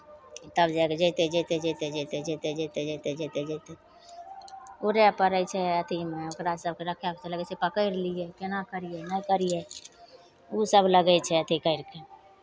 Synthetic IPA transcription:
t̪əbd͡ʒaked͡ʒejt̪ed͡ʒet̪ed͡ʒet̪ed͡ʒet̪ed͡ʒet̪ed͡ʒet̪ed͡ʒet̪ed͡ʒet̪ed͡ʒeɪt̪e | oɾepəɾəjt͡ʃʰɛət̪ʰimeokɾasəb̚ʱkeɾəkʰjaket͡ʃʰələɡsepəkəɪɾlijekenakəɾijenəkəɾije | usəbʱləɡɛt͡ʃʰɛət̪ʰikəɪɾke

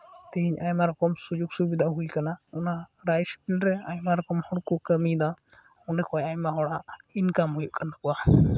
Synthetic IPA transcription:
t̪ɛɦiɲajmaɾɔkɔmsud͡ʒuɡsubid̪ʱaɦujkanaɔnaɾajspilɾɛajmaɾɔkɔmhɔɽkɔkəmid̪a | ɔnɖɛkʰɔjajmaɦɔɽainkamɔjuʔkand̪akɔwa

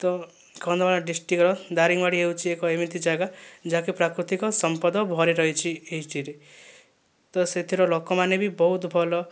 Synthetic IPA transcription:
t̪ɔ | kɔnd̪ɔmaɭaɖisʈikɔɾɔd̪aɾiŋbaɽiewt͡ʃʰiekɔemit̪id͡ʒaɡad͡ʒakepɾakɾut̪ikɔsɔmpɔd̪ɔbʱɔɾiɾɔɦit͡ʃʰieiʈiɾe | t̪ɔset̪ʰiɾɔlokɔmanebibɔɦut̪bʱɔlɔ

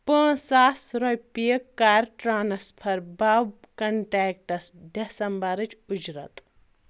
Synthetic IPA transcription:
pə̃ːsaːsɾojpijɐkːaːɾʈɾaːnɐspʰɐɾbaːb | kɐɳʈaːk̚ʈɐsɖesɐmbɐɾɨt͡ʃud͡ʒɾɐ̰t̪

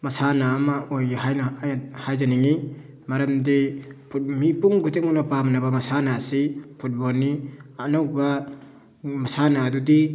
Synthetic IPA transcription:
masanamaʔojanhajzaniŋi | maɾɐmdipʰumipuŋɡutiŋunapamnabamasanasipʰut̚bɔlnianɔwk̚ba | masanadudi

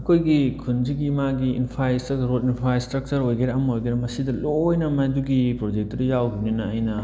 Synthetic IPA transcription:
ɐkʰojɡikʰund͡ʒiɡimaɡiḭnpʰajstɐɡɾotinpʰajstɾɐk̚t͡ʃɐɾojɡeɾɐɐmojɡeɾɐmɐsidɐloːjnɐmajduɡipɾod͡ʒek̚tɐɾijawɡuninɐɐjnɐ

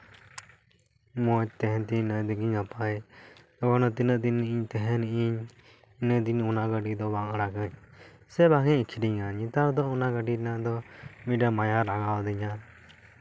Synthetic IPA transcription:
mɔt̪ɛɦɛ̃nt̪inəd̪iɡiɲapajt̪ɔbanɔt̪inəʔd̪inːiʔiɲt̪ɛɦɛ̃niʔiɲ | nəʔd̪iɲunaɡəɖid̪ɔbaŋəɽakəɲsɛbaɡɛɲkʰiɖiɲaɲit̪aɾd̪ɔunaɡəɖiɾɛnad̪ɔmiɖamajaɾaŋawd̪iɲa

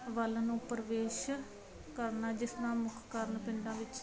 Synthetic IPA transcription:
ʋəlnũːpɾəʋeːʃ | kəɾnaːd͡ʒɪsnãːmʊkʰkəɾnpɪɳɖãːʋɪt͡ʃ

